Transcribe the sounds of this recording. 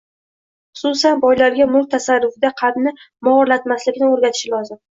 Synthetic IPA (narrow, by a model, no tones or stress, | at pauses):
χʊ̥sʊsanbɒjlaɾɡʲamʊlˠk̚t̪ʰasarːʊfɪd̪aqʰɑd̪nɪ | mɒɾlat̪maslɪkʲnɪoɾɡʲat̪ʰɪ̥ʃɪlɒzɪm